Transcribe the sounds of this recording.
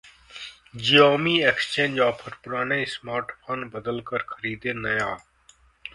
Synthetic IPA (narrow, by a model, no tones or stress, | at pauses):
d͡ʒijaːmiːekst͡ʃẽːnd͡ʒaːpʰəɾpʊɾaːɳeːsmaːɾʈpʰənbəd̪əlkəɾkʰəɾiːd̪eːnəjaː